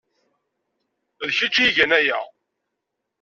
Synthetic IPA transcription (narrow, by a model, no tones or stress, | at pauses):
ðçit͡ʃːjiʝænæjæ